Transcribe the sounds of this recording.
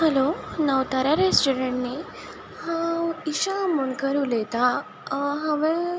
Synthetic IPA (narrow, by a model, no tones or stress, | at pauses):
hɛlonaʋt̪aɾaɾesʈuɾeɳniː | haiɕamuɳkəɾuːlet̪a | ɦaʋẽ